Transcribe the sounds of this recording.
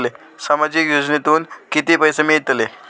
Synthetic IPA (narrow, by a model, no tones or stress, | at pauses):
le | samad͡ʑikjod͡ʑnet̪uːnkit̪ipəjsemiɭit̪le